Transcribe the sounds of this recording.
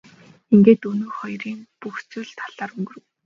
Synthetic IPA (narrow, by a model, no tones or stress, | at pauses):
iŋɡeːt̪ɵnɵːχɔjriːŋpuxt͡sɵ̆ɮt̪ʰaɮ̥aːɾɵŋɡɵ̆rɘ̆w